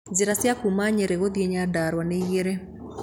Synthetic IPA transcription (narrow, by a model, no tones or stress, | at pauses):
nziɾasjakumaɲɛɾɛɣoðiɛɲadaɾwaneiɣɛɾɛ